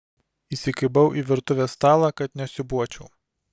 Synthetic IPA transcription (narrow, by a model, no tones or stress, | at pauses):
iːsʲɪkɐɪbɐʊʔiːʋʲɪɾt̪ʊʋʲeːst̪ɑːlˠɑkɐt̪nʲɛsʲɪbuɔt͡ʃʲɛʊ